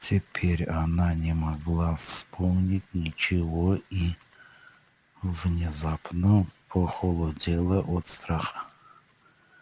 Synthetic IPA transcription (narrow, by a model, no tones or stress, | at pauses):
tʲʰepʲʰeɾʲananʲemaɡlˠafspʰomnʲitʲnʲɪt͡ʃʰɪvoi | vnʲɪzapnopʰoχolˠodʲelˠəʔot̪st̪ɾɑχə